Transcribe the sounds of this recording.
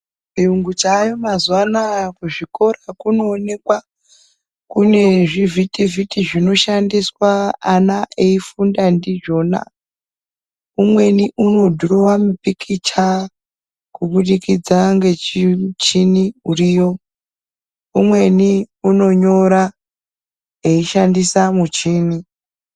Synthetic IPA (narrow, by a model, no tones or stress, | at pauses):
piuŋɡut͡ʃajomazuwanakuʐiko̞rakunoːne̞kwa | kune̞ʐivitivitiʐino̞ʃandiswaːnaʔeifundandiʐo̞na̰ | umwe̞niʔuno̞dʱuɾowamupikʰit͡ʃa | kuɓuɗikid͡zaŋɡe̞t͡ʃit͡ʃiniuriːjo̞ | umwe̞niuno̞ɲo̞ɾa | eiʃandisamut͡ʃiːni